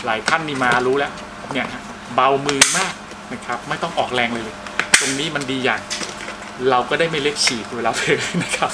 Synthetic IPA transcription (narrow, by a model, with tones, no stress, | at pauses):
laː˩˦jt̪ʰa˥˩nːiː˦˥˩maː˧ɾuː˦˥lɛː˦˥w | ni˥˩ɐkʰa˦˥ʔ | ba˧wmɯː˧maː˥˩k̚ | na˦˥˩kʰa˦˥p̚ma˥˩jt̪ɔ˥˩ŋʔɔː˨˩k̚ɾɛː˧ŋlɤː˧jlɤː˧jt̪o˧ŋniː˦˥ma˧ndiː˧jaː˨˩ŋ | ɾa˧wkɔː˥˩daː˥˩jma˥˩jle˦˥p̚sʰiː˨˩kʰːlaː˧˩pʰːna˦˥kʰa˦˥p̚